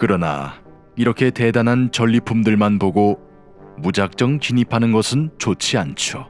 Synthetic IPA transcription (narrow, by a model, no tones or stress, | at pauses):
kɯɾʌna̰ | iɾʌkʰe̞te̞danɦant͡ɕʌʎːipʰumdɯɭmanpoɡo | mud͡ʑak̚t͡ɕ͈ʌŋt͡ɕiɲipʰanɯnɡʌsʰɯnt͡ɕot͡ɕʰiant͡ɕʰo